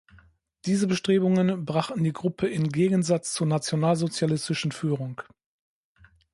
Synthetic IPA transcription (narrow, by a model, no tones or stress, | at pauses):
d̥iːzəbəʃtʁ̥eːbʊŋənbʁaχtn̩diːɡʁʊpʰəɪnɡeːɡən̩zat͡st͡suːɐnat͡sjonaːlzot͡sjalɪstɪʃn̩fyːʁʊŋk